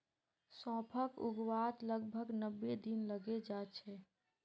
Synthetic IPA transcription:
sɔ̃pʰəkṵɡwat̪ləɡbʱəɡnəbːed̪inləɡed͡ʒat͡ʃʰɛ

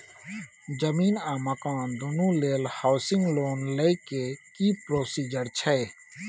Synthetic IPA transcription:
d͡ʒɐmiːnãːmɐkãːnd̪unũːleːlhaʊsɪ̃ŋɡloːnlekekiːpɾoːsiːd͡ʒəɾt͡ʃʰɛe

